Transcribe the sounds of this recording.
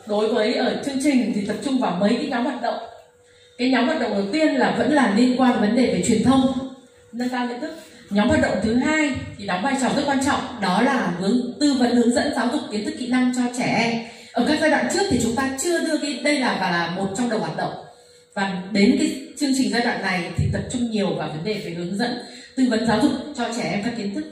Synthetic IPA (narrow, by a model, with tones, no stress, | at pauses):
ɗo˨˦jvəː˨˦jʔəː˧˩t͡ɕɨ˧əŋt͡ɕï˨˩ŋ̟t̪ʰi˨˩t̪ə˨˩p̚t͡ɕʊ˧ŋ͡mvaː˨˩mə˨˦jkaː˨˦jɲɔ˨˦mhwaː˨˩t̚ɗə̰˧˨wŋ͡m | kaː˨˦jɲɔ˨˦mhaː˨˩t̚ɗə̰˧˨ŋ͡mɗə˨˩wt̪i˧ənlaː˨˩və̰˧˥nlaː˨˩li˧ənkwaː˧ne˨˦˩və˨˦nɗe˧˨˩ve˧˩t͡ɕwi˨˩ənt̪ʰə˧wŋ͡m | nə˧nt̪aː˧mə˧t̪ʰɨ˦˥k̚ɲɔ˨˦mhwaː˨˩ɗə̰˧˨ŋ͡mt̪ʰɨ˨˦ɦaː˧jt̪ʰi˨˩nɔ˨˦ŋ͡mɓaː˧˩jt͡ɕɔ˧˩zə˦˥t̚kwaː˧nt͡ɕɔ̰˧˨wŋ͡mɗɔ˨˦laː˨˩hɨ˨˦əŋt̪ɨ˧və̰˧˥nhɨ˨˦əŋzə̰˧˥nzaː˨˦wzʊ˨˩k͡pkːi˨˦ənt̪ʰɨ˦˥kḭ˧˨na˧ŋt͡ɕɔ˧t͡ɕɛ˧˩ʔɛ˧m | ʔəː˧˩kaː˦˥k̚zaː˧jɗwa̰ː˧˨t͡ɕɨ˦˥ək̚t̪ʰi˨˩t͡ɕʊ˨˦ŋ͡mt̪aː˧t͡ɕɨ˧əɗɨ˧əɣi˧ɗə˧jlaː˨˩vaː˨˩laː˨˩mo˨˩t̚t͡ɕɔ˧wŋ͡mɗə˨˩whwaː˨˩t̚ɗə̰˧˨ŋ͡m | vaː˨˩ɗe˨˦nki˨˦t͡ɕɨ˧əŋt͡ɕï˨˩ŋ̟zaː˧jɗwa̰ː˧˨nːa˨˩jt̪ʰi˨˩t̪ə˨˩p̚t͡ɕʊ˧ŋ͡mɲi˨˩əwvaː˨˩və˨˦nɗe˨˩ve˨˩hɨ˨˦əŋzə̰˧˥nt̪ɨ˧və̰˧˦˥nzaː˨˦wzʊ˨˩k͡p̚t͡ɕɔ˧t͡ɕɛ˧˩ʔɛ˧mkaː˦˥kːi˨˦ənt̪ʰɨ˦˥k̚